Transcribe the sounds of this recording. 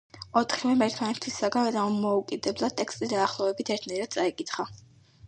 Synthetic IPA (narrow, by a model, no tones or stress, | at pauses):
ɔt̪ʰχivɛmɛɾt̪ʰmanɛt̪ʰisaɡanvɛd̪amɔukʼid̪ɛblˠad̪̚t̪ʼɛkst̪ʼid̪aːχlˠɔɛbit̪ʰɛɾt̪ʰnaɛɾad̪̥̚t̪sʼaikʼit̪χa